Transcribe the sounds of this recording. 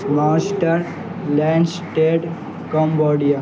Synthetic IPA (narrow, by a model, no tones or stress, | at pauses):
maːsʈəɾ | lɛ̃ɳɖsʈeːʈ | kəmbɔːɖija